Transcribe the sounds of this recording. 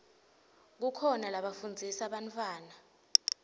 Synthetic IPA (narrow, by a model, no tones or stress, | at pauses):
k̬ukʰɔnalaɓafund͡zʱisaɓantʰʼwaːna